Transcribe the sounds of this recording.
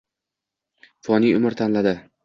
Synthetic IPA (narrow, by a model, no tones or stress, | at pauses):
fɒniʊmɪɾt̪ʰanlad̪ɪ